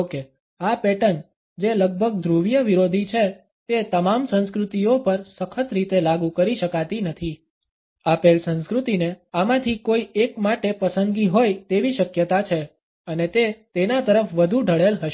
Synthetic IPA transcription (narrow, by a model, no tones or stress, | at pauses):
ke | apeʈən | d͡ʒeləɡ̚bʱəɡ̚d̪ʱɾuʋijəʋiɾod̪ʱit͡ʃʰe | t̪et̪əmamsə̃nskɾut̪ijopəɾsəkʰət̪ɾit̪elaɡukəɾiʃəkat̪inət̪ʰi | apelsə̃nskɾut̪ineamãt̪ʰikoiekmaʈepəsənd̪ɡiɦojt̪eʋiʃəkjət̪at͡ʃʰe | ənet̪et̪enat̪əɾəfʋəd̪ʱuɖʱəɭelɦəʃ